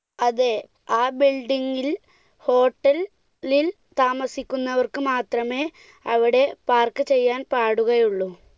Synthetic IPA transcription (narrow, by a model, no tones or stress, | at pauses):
ɐðe | aːbilɖiŋɡil | ho̞ːʈːɐl | lil | t̪aːmɐsikʲːunːɐʋɐrkɨmaːt̪rɐme̞ː | ɐʋiɽe̞paːrkɨt͡ɕe̞jːaːnpaːɽuɣɐjuɭːu